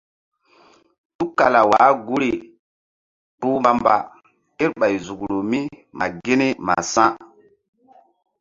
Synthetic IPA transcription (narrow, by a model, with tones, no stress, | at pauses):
tu˦kːa˨la˨waː˨˦ɡu˦ɾi˨ | tu˦ma˨mba̰˨ | te˦ɾɓa˨jzu˨kɾo˨mi˦ma̰˨ɡe˦ni˦ma̰˨sã˦